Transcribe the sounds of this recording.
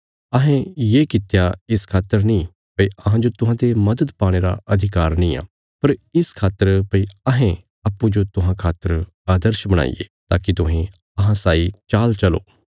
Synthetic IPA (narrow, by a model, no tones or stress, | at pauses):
ɐɦẽjeːkɪt̪ejaɪskʰaːt̪əɾnĩ | pɐiɐɦãd͡ʒot̪ʊɦãd̪emɐd̪əd̪paːɽ̃eːɾa̰ɐd̪ʱɪkaːɾnɐĩːa̰ː | pɐɾɪskʰaːt̪ːəɾpɐiɐɦẽ | aːpːud͡ʒot̪ʊɦãkʰaːt̪ːəɾ | aːd̪əɾʃbɐɽ̃a̰ːḭjḛːt̪a̰ːkit̪ʊɦẽ | ɐɦãsaːit͡ʃaːlt͡ʃɐlo̰ː